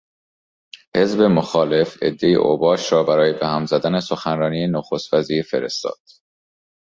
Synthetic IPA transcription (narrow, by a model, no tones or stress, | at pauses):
he̞zbe̞moxɒːle̞fe̞̰d̪ːejḛʔo̰bɒːʃɾɒːbæɾɒːjebehæmzæd̪æne̞soxænɾɒːniːenoxost̪fæziːɾfeɾḛst̪ɒ̰ːd̪̥